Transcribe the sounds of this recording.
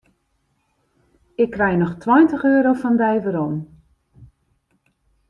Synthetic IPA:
ɪkːrɛjnɔxtʰwɔjntəxøːɾowfɔndɛjvəɾon

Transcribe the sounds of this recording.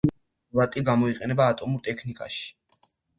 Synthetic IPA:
vat̪ʼiɡamɔiqʼɛnɛbaːt̪ʼɔmuɾt̪ʼɛkʰnikʼa̰ʃi̥

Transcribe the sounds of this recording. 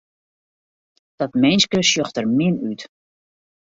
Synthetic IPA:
d̥ɔtmɛjnskəsjɔxtərmɪnyt

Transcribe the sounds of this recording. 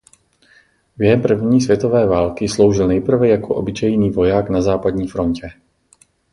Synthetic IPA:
bjɛɦɛmpr̩vɲiːsvjɛt̪ovɛːvaːlkɪslo̞wʒɪlnɛjpr̩vɛjakoʔobɪt͡ʃɛjniːvo̞jaːknazaːpad̪ɲiːfɾo̞ɲcɛ

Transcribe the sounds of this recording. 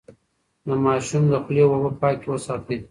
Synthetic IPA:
d̪əmɑʃumd̪əxlewawəpɑkewəsɑt̪e

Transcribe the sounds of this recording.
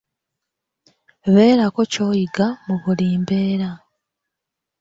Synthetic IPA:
βe̞ːɾako̞co̞ːjiɡamuβuliːmbe̞ːɾa

